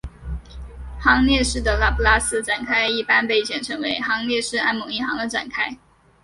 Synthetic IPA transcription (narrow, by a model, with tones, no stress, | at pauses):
xɑ˧˥ŋljɛ˥˧ʂɻ̩˥˩d̪ə˩la˥˩pu˥la˥sɹ̩˥˧ʈ͡ʂa˨˩nkʰa˥ɪi˥˩pa˥npe˥˧ɪɕjɛ˧˥˩nʈ͡ʂʰɤ˧˥ŋwe˧˥ɪxɑ˧˥ŋljɛ˥˧ʂɻ̩˥˩a˥nmʊ˨˥ŋi˥˩xɑ˧˥ŋd̪ə˧ʈ͡ʂa̰˨˩nkʰa˥ɪ